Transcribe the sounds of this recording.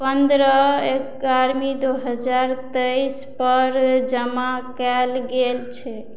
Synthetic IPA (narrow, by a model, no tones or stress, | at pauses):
pənd̪ɾəekaɾmid̪oɦəd͡ʒaɾt̪əjs | pəɾd͡ʒəmakɛlɡelt͡ʃʰɛ